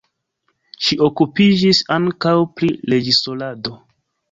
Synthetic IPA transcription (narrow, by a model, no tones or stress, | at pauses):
ʃiʔo̞kupid͡ʒisaŋkawpɾile̞d͡ʒisolado̞